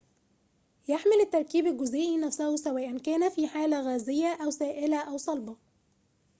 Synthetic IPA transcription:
jaħmɪlɪt̪ːɑɾˤkiːbɪlɡʊzʔɪːʔinæfsæhusæwæːʔankæːnæfiːħaːlæɣæːzɪjːaʔæwsæːʔɪlæʔawsˤɑlbɑ

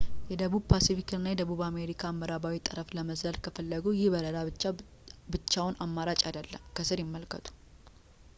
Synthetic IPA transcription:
jɛd̪əβubpʰasifikɨnːajɛd̪əβuβame̞ɾikʰaːmːəɾaβawit̪ʼɨɾəfləməzəlkʰəfəlːəɡujɪhbəɾəlaɨt͡ʃːa | bɨt͡ʃːawʊnʔamːaɾat͡ʃʼad̪əlːə̰mkʰəsɨɾjɪmːəlkʰət̪ʰu̥

